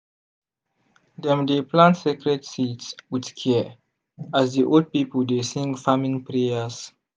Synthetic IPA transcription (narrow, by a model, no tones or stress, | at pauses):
dɛ̃mdeplãntsikɹɛdsitswidkʰɛ | azdiʔold̚pipəldesĩŋɡfamĩŋpɹeas